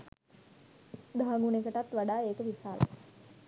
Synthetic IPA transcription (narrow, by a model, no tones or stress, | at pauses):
d̪aɦːŋɡunekəʈat̪ʋaɖaːeːkəʋisaːlə̰